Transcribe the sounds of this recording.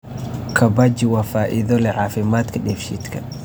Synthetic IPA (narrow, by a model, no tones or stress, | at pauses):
kʰɐbad͡ʒɪwafaːʔɪðɔlɛʕaːfɪmaːt̪kʰɐɗɛːfʃḭt̪kʰɐ